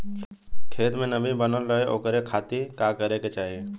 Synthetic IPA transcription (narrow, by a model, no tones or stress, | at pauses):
kʰeːt̪mẽnɐbibənəlɾəɦeʔo̰ːkəɾekʰaːt̪ikakəɾeket͡ʃaːɦieː